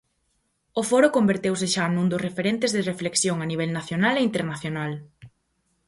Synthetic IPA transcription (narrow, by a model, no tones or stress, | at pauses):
ʊfɔɾʊkombeɾt̪ewsɪʃanũnd̪ʊsrefeɾent̪ɪzðɪrefleksjoŋaniβ̞ɛlnaθjonaleint̪eɾnaθjonal